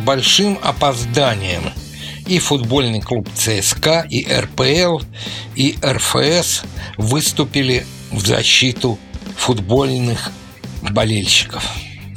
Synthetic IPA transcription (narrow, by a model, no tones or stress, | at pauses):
bɐlʲʂɨmɐ̰pɐzd̪anʲɪjə̰m | ifʊd̪bo̞lʲnɨjklˠupt̪sɛɛskaʔiʔɛ̰rpɛɛlˠiʔɛrfə̰ɛsvɨst̪ʊpʲɪlʲɪ | vzɐ̰ɕːit̪ʊfʊd̪bo̞lʲnɨx | bɐlʲelʲɕːɪ̥kəf